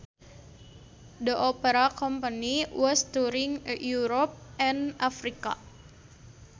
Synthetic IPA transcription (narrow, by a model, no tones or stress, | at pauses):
dəʔopəɾakɔmpəniwəst̪uɾiŋjuɾɔp̚ɛnafɾika̰